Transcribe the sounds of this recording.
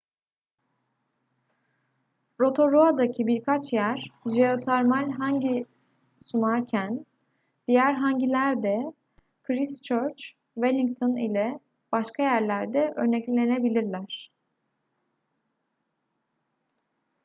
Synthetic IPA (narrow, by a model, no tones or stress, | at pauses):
ɾo̞t̪ʰo̞ɾoad̪acʰibiɾkʰat͡ʃjæɾ̥d͡ʒeo̞t̪ʰaɾmalʲɦaɲɟi | sunaɾcʰæn | d̪̥ijæɾɦaɲɟilʲæɾd̪ɛ | kʰɾist͡ʃʰøɾt͡ʃ | velʲiŋk̚t̪ʰonḭlʲɛ | b̥aʃkʰajæɾlʲæɾd̪ɛʔøɾnɛclʲlʲe̞nebilʲiɾlʲæɾ̝̥